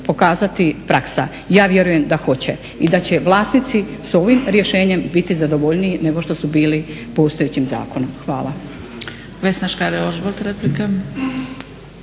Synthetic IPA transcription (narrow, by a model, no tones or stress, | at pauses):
po̞kaːzat̪ipɾaksa | jaːʋje̞ɾuje̞md̪axo̞t͡ɕe̞̰ | id̪at͡ɕe̞ʋlˠaːsnit̪siso̞ʋimɾje̞ʃe̞ːɲe̞mbit̪izad̪o̞ʋoʎniine̞ɡo̞ʃt̪o̞subiːli | po̞st̪oet͡ɕimza̰ːko̞nomxʋa̰ːlˠa | ʋesnaʃkaɾeoʒbolt̪ɾeplika